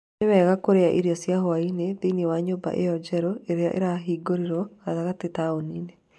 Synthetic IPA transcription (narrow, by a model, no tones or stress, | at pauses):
nemɛɣakoɾeaʔiɾiɔsjaɦoainedeinewaɲoba̰ʔejɔd͡ʒɛɾɔeɾ̰ʔḛɾaɦiɡoɾiɾɔkataɣatetaonine